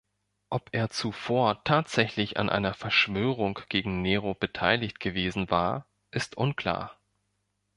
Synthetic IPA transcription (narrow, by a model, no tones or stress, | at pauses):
ʔɔpʔeːɐt͡sufoːɐtʰaːtz̥ɛçlɪça̰nʔa̰ɪnɐfɛɐʃv̥øːʁ̞ʊŋɡ̥eːɡŋ̩neːʁob̥ətʰaɪlɪçtɡ̥əveːzn̩vaːɐ | ʔɪstʔʊnkʰl̥a̰ːɐ